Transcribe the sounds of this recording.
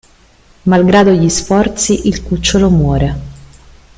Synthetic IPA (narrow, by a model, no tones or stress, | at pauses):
malɡɾaːd̪oʎːisfɔrt̪siʔilkut͡ʃːolomwɔːɾe